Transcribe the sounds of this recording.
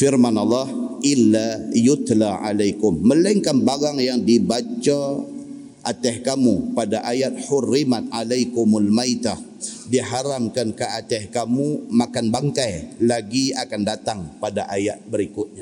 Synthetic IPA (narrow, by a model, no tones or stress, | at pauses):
firmanɑlːɑhʔɪlːajʊt̪laʕa̰lajkʊmːəlaiŋkanbaɣaŋjaŋdibat͡ʃa | ʔat̪ɛhkamupadaʔajat̪̚ħʊrːimat̪̚ʔalajkʊmalmajt̪a | diɦaɾamkankəat̪ɛhkamumakanbaŋkajlaɡiakandat̪aŋpadaʔajat̪̚bəɾikʊt̪̚ɲa